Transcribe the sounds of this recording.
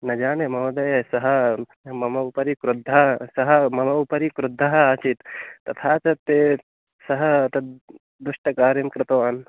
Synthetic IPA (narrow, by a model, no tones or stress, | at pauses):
nɐd͡ʒaːnemɐːd̪ɐjɐsɐɦɐ | mɐmɐupɐɾikɾʊd̪ʱːɐsɐɦɐmɐmɐupɐɾikɾud̪ʱːɐɦɐat͡ʃʰit̪t̪ːɐt̪ʰaːt͡ʃɐt̪ːe | sɐɦɐt̪ɐ | d̪uʃʈɐkaːɾimkɾɪt̪ɐʋaːn